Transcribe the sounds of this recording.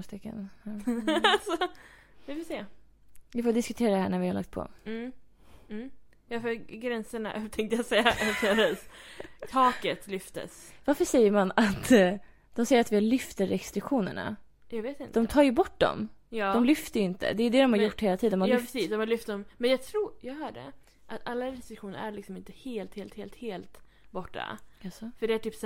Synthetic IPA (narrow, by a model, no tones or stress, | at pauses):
st̪ɪkːə̰n | sɔ | vɪfɔseː | vɪfoːd̪ɪskɵt̪ʰeːɾad̪ɛhæːɳæɾvɪhaɾla̰k̚t̪̚pʰɔ̰ | jɑfœɾɡɾɛnsəɳa̰ʔɛt̪ʰɛŋkt̪əjɑsɛjːaʔʔɛft̪əɾ | t̪ʰɑːkət̪lʏft̪ə̰s | vaɾfəʂɛjːəɾmanat̪ | d̪̥ɔmsɛjːəɾat̪vɪalʏft̪əɾɛst̪ɾɪkɧuːnə̰ɳa̰ | jɑːɡveːt̪ɪnt̪ːd̪ɔmt̪ʰɑːɾjɵbɔʈːd̪ɔ̰mjɑːd̪ɔmlʏft̪əjɵɪnt̪ə̰d̪ɛjɵd̪ɛd̪ɔmhaɾjʊʈːheːlat̪ʰiːd̪ənmajfsiːsd̪ɔmhalʏft̪d̪ɔmmɛnjɑːɡt̪ʰɾuːɾjɑːɡɦœːɖɛ̰ | ʔat̪alːaɾɛst̪ɾɪkɧuːnə̰ɾæɾlɪksɔmɪnt̪əheːlt̪heːlt̪heːlt̪heːlt̪ | bɔʈːa̰asɔfœɖɛæʈyːps